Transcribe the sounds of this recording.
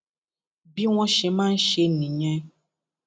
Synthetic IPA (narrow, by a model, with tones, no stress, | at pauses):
bi˦w̃ɔ̃˦ʃe˨mãː˦n̩˦ʃe˧nĩ˨ɲɛ̃˦